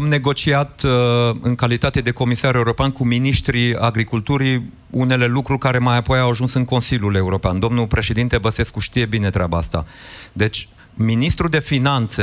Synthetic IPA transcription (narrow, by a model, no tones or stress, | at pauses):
amne̞ɡo̞t͡ʃiat̪ɨŋkalit̪at̪e̞d̪e̞ko̞misaɾe̞uɾo̞peankuminiʃt̪ɾiaɡɾikult̪uɾi | une̞le̞lukɾurʲkaɾe̞majapo̞jawaʒunsɨŋko̞nsilʲjule̞uɾo̞peand̪o̞mnupɾe̞ʃe̞d̪int̪e̞bəse̞skuʃt̪ije̞bine̞t̪ɾʲeabaa̰st̪a̰d̪e̞t͡ʃʲ | minist̪ɾud̪e̞finant̪se